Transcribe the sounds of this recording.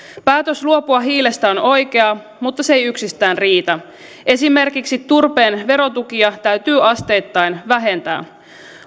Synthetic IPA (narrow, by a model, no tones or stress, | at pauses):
pæːt̪øsluo̞puɑɦiːle̞st̪æono̞jke̞ɑ | mut̪ːɑsejyksist̪æːnriːt̪æ | ʔe̞sime̞rkiksit̪ːurpe̞ːnʋe̞ɾo̞t̪ukiɑt̪æɥt̪yːʔɑst̪e̞ːjt̪ːɑjnʋæɦe̞nt̪æ̰ː